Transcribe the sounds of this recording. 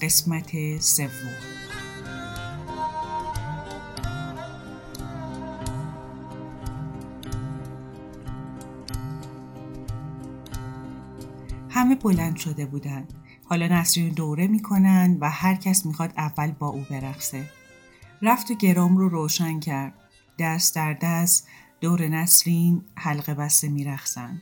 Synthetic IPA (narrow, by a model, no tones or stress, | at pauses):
ɢe̞smæt̪ʰese̞vːo̞m | hæme̞bo̞lænd̪̥ʃo̞d̪e̞buːd̪ænd̪̥ | hɒːlɒːnæsɾind̪oːɾe̞miːkʰo̞nænd̪væhæɾcʰæsmiːxɒːd̪ævːælbɒːʔuːbe̞ɾæxse | ɾæft̪ʰoɟe̞ɾɒːmroɾoːʃæncʰæɾd̪̥̚ | d̪æɾsd̪æɾd̪æsd̪̥oːɾenæsɾinhælɣe̞bæst̪emiːɾæχsænd̪̥